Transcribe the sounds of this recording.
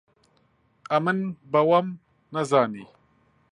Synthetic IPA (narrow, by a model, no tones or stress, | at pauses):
ɐmənbɐwɐm | nɐzaːni